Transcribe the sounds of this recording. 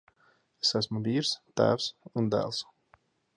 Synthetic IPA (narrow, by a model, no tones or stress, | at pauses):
esæsmuviːɾst̪æ̰ːwsund̪æ̰ːlˠs